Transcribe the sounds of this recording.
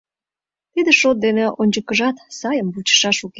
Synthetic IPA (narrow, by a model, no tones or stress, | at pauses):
t̪id̪eʃot̪̚d̪eneʔonʲt͡ɕəkəʒɑt̪sɑjəmbut͡ɕə̥ʃɑʃuk